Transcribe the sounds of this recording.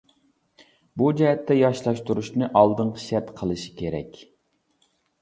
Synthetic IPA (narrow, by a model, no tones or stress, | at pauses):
bud͡ʒɛɦɛt̪ʰːɛjɑʃlˠɑʃt̪uɾuʃnɨʔɑlˠd̪ɨɴqʰə̥ʃɛt̪qʰəlˠɨʃi̥kʲʰeɾɛ̰kʲ